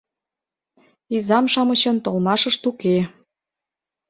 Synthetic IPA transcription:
izɑmʃɑmɤ̆t͡ɕɤ̆nt̪olmɑʃɤ̆ʃt̪uke

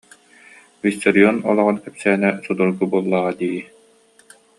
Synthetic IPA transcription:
vist̪ɔɾiɔnɔ̰lˠɔʁɑnkɛpsæːnɛsud̪ulɡ̪ubuɔlˠːaːʁad̪iːji

